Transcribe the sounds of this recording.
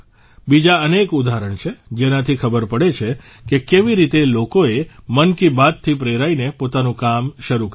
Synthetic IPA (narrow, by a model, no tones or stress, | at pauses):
bid͡ʒaənekud̪ʱaɾəɳt͡ʃʰed͡ʒenat̪ʰikʰəbəɾpəɽet͡ʃʰe | kekeʋiɾit̪elokoemənkibad̪̚t̪ʰːipɾeɾainepot̪anũkamʃəɾuk